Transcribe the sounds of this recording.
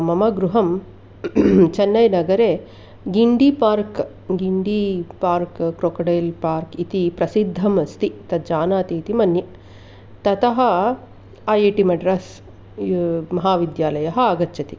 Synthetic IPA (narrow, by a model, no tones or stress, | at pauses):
mɐmɐɡɾuɦɐm | t͡ʃɐnːɐjnɐɡɐɾeː | ɡiɳɖipaːɾk | ɡiɳɖipaːɾkkɾoːkɐɽeːlpaːɾkit̪ipɾɐsid̪ʱːɐmɐst̪it̪ɐd͡ʒaːnaːt̪iːt̪imɐnjɐ | t̪ɐt̪ɐɦɐ | ajeːʈimɐɖɾɐs | mɐɦaːʋid̪jaːlɐjɐɦɐ̆aːɡɐtːt͡ʃʰɐt̪i